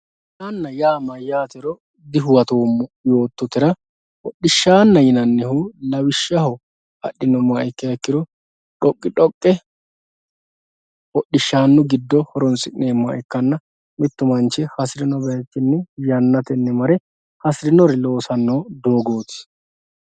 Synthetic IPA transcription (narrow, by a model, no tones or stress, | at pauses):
tɐnːɐjaːmɐjaːt̪ɛɾɔ | d̪ɪɦʊwɐt̪oːmːʊjo̞ːt̪ːɔt̪ɪɾɐ | wɔɗːɪʃːaːnːɐjɪnɐnːɪhuːlɐwɪʃːɐhɔ | ɐ̰ɗɪnɔmaʔɪkːɪɐkːɪɾɔ | ᶑɔkʼːɪᶑɔkʼːɛ | ɔɗːɪʃːaːnːʊɡɪd̪ːɔhɔɾɔnsʼɪʔneːmɐʔɪkːɐnːɐ | mɪt̪ːʊmɐnt͡ʃːɪhɐsɾɪnɔbɛjɐt͡ʃːɪnːɛjɐnːɐt̪ɛnːɛmɐɾɛ | hɐsɪɾɪnɔɾɪlo̞ːsɐnːoːd̪o̞ːɡoːt̪ɪ̥